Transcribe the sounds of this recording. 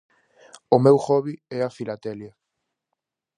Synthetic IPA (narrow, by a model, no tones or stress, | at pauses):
ʊmewxɔβiɛafilat̪ɛlja